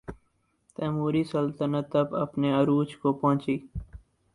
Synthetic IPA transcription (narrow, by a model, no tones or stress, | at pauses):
t̪ɛːmuːɾiːsəlt̪ənət̪ːəbəpneːəɾuːt͡ʃkoːpõːt͡ʃiː